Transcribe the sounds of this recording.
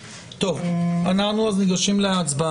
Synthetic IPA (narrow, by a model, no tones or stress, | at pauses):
t̪ovanaχnuazniɡaʃimleaːt͡sba